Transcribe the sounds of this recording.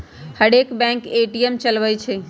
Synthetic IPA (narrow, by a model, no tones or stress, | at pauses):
həɽekbɛ̃ŋkeʈijemt͡ʃəlʋəjt͡ʃʰɛ